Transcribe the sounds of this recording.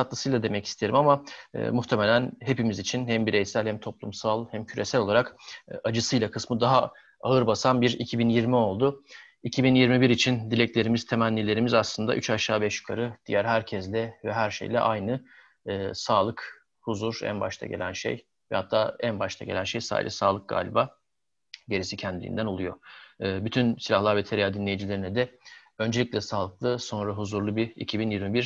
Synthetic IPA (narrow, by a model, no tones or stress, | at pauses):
at̪lˠɯsɯjlˠad̪e̞mɛci̥st̪ʰeɾḭmama̰ːmuxt̪ʰeme̞lʲænɦe̞pimizit͡ʃʰinhæmbiɾejsælʲhæmt̪ʰo̞plˠṵmsalˠhæmcʰyɾe̞sælʲo̞lˠaɾakad͡ʒɯsɯjlˠakʰɯsmɯd̪aɦa | aɯɾbasanbiɾicʰibinjiɾmio̞lˠd̪ʊ | icʰibinjiɾmibiɾit͡ʃʰind̪ilʲɛclʲe̞ɾimiz̥t̪ʰe̞mænlʲːilʲe̞ɾimizaslˠɯnd̪a̰ʔyt͡ʃaʃaːbɛʃjy̥kʰaɾɯd̪̥ijæɾɦæɾcʰɛzlʲɛvɛɦæɾʃḛjlʲɛ̰ʔajnɯː | saːlˠɯk | huzuɾæ̰nba̰ʃt̪ʰa̰ɟe̞̰lʲænʃḛj | vɛhat̪ʰːaːænbaʃt̪ʰaɟe̞̰lʲænʃejsa̰ːḭlʲɛsaːlˠɯk̚ɡa̰ːlʲibaː | ɟe̞ɾisicʰɛnd̪ilʲḭḭnd̪æno̞lˠujo̞̰ɯːbyt̪ʰynsilʲahlˠaɾvɛt̪ʰeɾijaːd̪inlʲejid͡ʒilʲe̞ɾinɛd̪ɛ | ø̞nd͡ʒe̞lʲiclʲɛsaːlˠɯklˠɯso̞nɾaɦuzuɾlˠubiḭcʰibinjiɾmibiɾ